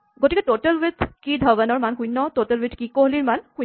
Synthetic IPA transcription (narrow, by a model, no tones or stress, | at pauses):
ɡoʈikeʈoʈəlwid̪ʱkid̪ʱəʋənɔɹmanɦũjnːɔtoʈəlwid̪kikoɦliɾmanhu